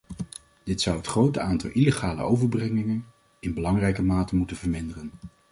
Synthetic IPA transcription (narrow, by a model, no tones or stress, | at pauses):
d̥ɪtsʌwɦətχrowtəaːntɑ̰lˠʔileχaːlə̰owvəɹbrɛŋɪŋən | ɪnbəlɑŋrɛjkəmaːtəmutəvəɹmɪndərən